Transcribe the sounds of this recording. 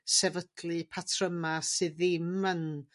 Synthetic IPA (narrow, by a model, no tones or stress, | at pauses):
sɛvədlˠɨpʰatʰrəmasɨðɪmən